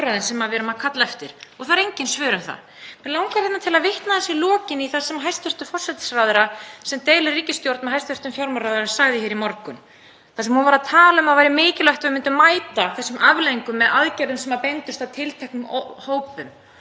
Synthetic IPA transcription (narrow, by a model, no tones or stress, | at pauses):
ɾaðɪnsɛmːaðvɛːɾʏmaðkʰat̪laɛft̪ɪɾ̥ɔɣθaɾejɲcɪnsvœːɾʏmθa̰ð | ɛnlawŋkaɾɛt̪nat̪ʰɪlaðvɪht̪naðθɛsɪlɔːcɪniθasɛmaɦajst̪ʏr̥t̪ʏfɔr̥sɛt̪srawðʏɾasɛmt̪eːjlɪrriːcɪst̪jowɾt̪mɛɦajst̪ʏɾ̥t̪ʏmfjawɾmaɾaːðʏɾasaɣðɪçɛːɾimɔɾkʏm | θasɛmhunvaɾaðt̪ʰaːlaʏmaðvajɾɪmɪːcɪlœht̪vɪmɪnt̪ʏmːaːjt̪aθɛsːʏmavlejŋkʏmːɛðaðcɛɾðʏmsɛmaðpejnt̪ʏst̪aðt̪ʰɪlt̪ʰɛhknʏmhoːwpʏm